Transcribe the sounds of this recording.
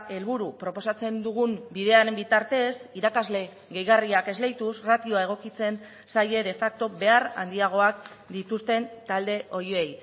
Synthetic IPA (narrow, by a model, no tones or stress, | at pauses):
e̞lβuɾupɾo̞po̞sat͡se̞nd̪uɣ̞umbiðe̞aɾembit̪aɾt̪e̞siɾakazle̞ | ɣe̞jɣariake̞zle̞jt̪usrat̪io̞ae̞ɣ̞o̞kit͡se̞n | saje̞ðe̞fak̚t̪o̞be̞aɾa̰nd̪iaɣ̞o̞ak̚ | d̪it̪ust̪e̞nt̪ald̪e̞ʔo̞joe̞j